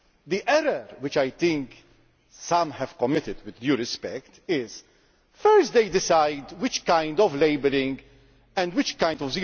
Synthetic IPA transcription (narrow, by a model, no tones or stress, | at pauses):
d̪iʔɛɾəɾwɪt͡ʃajt̪ɪ̃ŋk | sɐ̃mhɛv̥kɔmːɪt̪ɪd̪wɪd̪ːjuːɾɪspɛ̰kt̪ɪz̥ | fɛɾstd̪ejd̪ɪsajd̪wɪt͡ʃkãjnd̪ɔvleɪbəɾɪ̃ŋɡ | ɛ̃nd̪wɪt͡ʃkãj̃nd̪ɔvzi